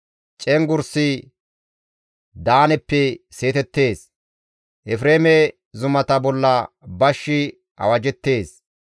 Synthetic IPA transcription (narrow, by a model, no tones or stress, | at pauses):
t͡ʃʼɛŋɡʊɾsɪ | d̪aːnɛpːɛse̞ːt̪ɛt̪ːe̞ːs | ʔɛfɾeːmɛ | zʊmɐt̪ɐbɔlːɐ | bɐʃːɪ | ʔɐ̰wɐd͡ʒɛt̪ːe̞ːs